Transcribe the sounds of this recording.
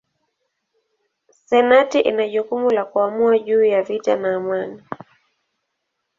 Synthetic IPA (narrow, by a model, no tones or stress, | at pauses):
sɛnatiʔinaʄukumulakuamuaʄuːjavitanaːmwani